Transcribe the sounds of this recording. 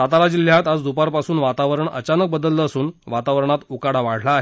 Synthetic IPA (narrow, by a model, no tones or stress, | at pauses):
at̪alad͡ʑil̤jat̪ad͡zd̪upaɾpasuːnʋat̪aʋəɾəɳə̰t͡ɕanək̚bəd̪əlt̪əəsuːnʋat̪aʋɾəɳ̃at̪ukaɽaʋaɽ̤laːɦ